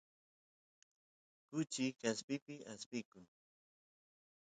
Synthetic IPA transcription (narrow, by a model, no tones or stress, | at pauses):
kʊt͡ʃɪkaspɪpɪaspɪkʊŋ